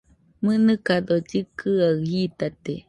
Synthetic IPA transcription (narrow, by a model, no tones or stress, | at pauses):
mɨnɨkad̪od͡ʒɨkʰɨahit̪at̪e